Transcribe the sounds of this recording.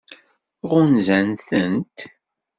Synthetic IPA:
ʁʊnzænθənt̪

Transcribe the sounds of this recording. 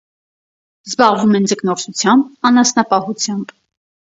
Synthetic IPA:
zbɑʁvumɛnd͡zəknɔɾsʰut͡sʰjɑmbɑnɑsnɑpɑhut͡sʰjɑmb

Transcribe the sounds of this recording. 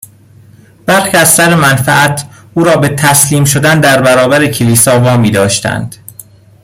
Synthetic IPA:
b̥æɾxiːæzsæɾemænfæʔæt̪ʰʔuːɾɒːbe̞t̪ʰæsliːmʃ̬od̪ænd̪æɾbæɾɒːbæɾecʰeliːsɒːvɒːmiːd̪ɒːʃt̪æ̰nd̪̥

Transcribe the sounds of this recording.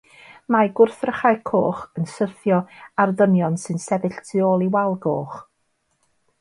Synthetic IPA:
maɡʊrθrəχajkʰoːχənsəθjɔarðənjɔnsɨnsɛvɨɬtʰɨoːlˠiwalˠɡoːχ

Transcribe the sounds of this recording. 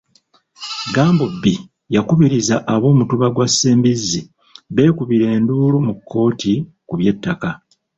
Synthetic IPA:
ɡaːmbobːi | jakuβiɾizaʔaβo̞ːmutuβaɡwasːeːmbizːi | βe̞ːkuβiɾe̞ːnduːlumukʰːo̞ːti | kuβje̞tːaka

